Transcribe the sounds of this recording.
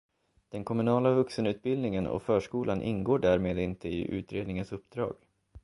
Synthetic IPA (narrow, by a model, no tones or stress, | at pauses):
d̪̥ɛnkʰɔmɵnɑːlavɵksənʉ̟ːt̪̚bɪld̪nɪŋənɔ̰fœːʂkuːlanʔɪ̰nɡoːɖæːɾmeːd̪ɪnt̪əɪ̰ʔʉ̟̰ːt̪ɾeːd̪nɪŋənsɵpːd̪̥ɾɑ̰ːɡ